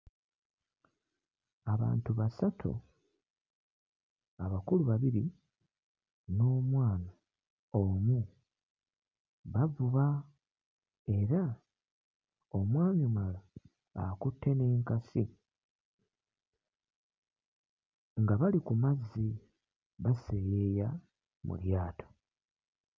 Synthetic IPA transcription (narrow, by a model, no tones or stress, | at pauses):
aβa̰ːntuβasatʰṵ | aβakuluβaβiɾi | no̞ːmwaːna | oːmu | βavuβa | e̞ɾa | o̞mwaːɲumala̰ː | kutːe̞neːŋkasi | ŋɡaβalikumazːi | βasejeja | mṵljaːtʰo̥